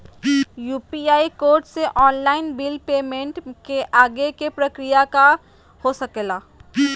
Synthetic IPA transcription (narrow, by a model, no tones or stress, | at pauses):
juːpiaːikoːɾʈseʔɔːnlaːɪnbɪlpeːmẽɳʈkeʔaːɡekepɾɐkɾijaka | hosɐkelaː